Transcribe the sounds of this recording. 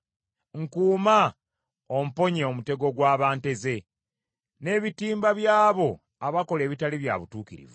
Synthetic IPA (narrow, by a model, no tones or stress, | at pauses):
ŋkuːma | om̩po̞ɲeomute̞ɡo̞ɡwaːβaːnte̞ze̞ | ne̞ːβitiːmbaβjaːβo̞ | aβako̞le̞ːβitaliβja̰βutuːkiɾḭvu